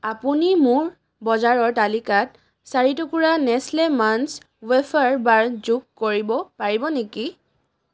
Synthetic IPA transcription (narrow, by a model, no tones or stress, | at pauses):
apunimʊɹ | bɔzaɹɔɹtalikat̚ | saɹitokuɹanɛslɛmans | wefʰaɹbaɹzukkoɹibɔpaɹibɔneki